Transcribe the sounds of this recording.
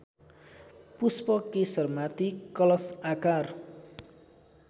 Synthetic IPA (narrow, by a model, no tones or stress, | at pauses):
puspɔkesərmat̪ikɔlɔsakar